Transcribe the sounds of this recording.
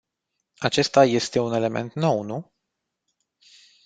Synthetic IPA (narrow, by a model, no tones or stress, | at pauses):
at͡ʃe̞st̪aje̞st̪e̞une̞le̞me̞̰nt̪no̞wnu